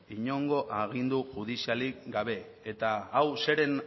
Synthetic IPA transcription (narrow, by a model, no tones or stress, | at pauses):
iɲo̞ŋɡo̞ʔaɣ̞ind̪uʝuðisialiɡaβ̞e̞ːt̪aːwse̞ɾe̞n